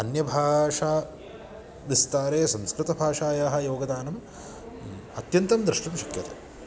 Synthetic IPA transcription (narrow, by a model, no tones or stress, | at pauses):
ɐnjɐbʱaːʂaː | ʋist̪aːɾeːsɐ̃mskɾɪt̪ɐbʱaːʂaːjaːɦɐ̆joːɡɐd̪aːnɐm | ɐt̪jɐnt̪ɐmd̪ɾɪʂʈɐmʃɐkjɐt̪ɐ̰